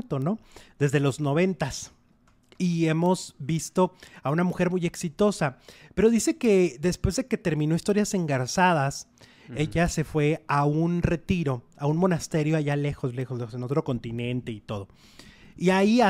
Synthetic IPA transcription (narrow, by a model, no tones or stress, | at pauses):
t̪o̞no̞ðe̞zðe̞lo̞zno̞β̞e̞nt̪as | ie̞mo̞zβist̪o̞aunamuxe̞ɾmuje̞ksit̪o̞sape̞ɾo̞ðise̞ke̞ðe̞spwe̞zðe̞ke̞t̪e̞ɾmĩno̞ist̪o̞ɾjase̞ŋɡaɾsað̞as | e̞ʝase̞fwe̞aunre̞t̪iɾo̞aunmo̞nast̪e̞ɾjo̞aʝale̞xo̞sle̞xoslexoseno̞t̪ɾo̞ko̞nt̪inẽ̞nt̪e̞it̪o̞ð̞o̞ | iaia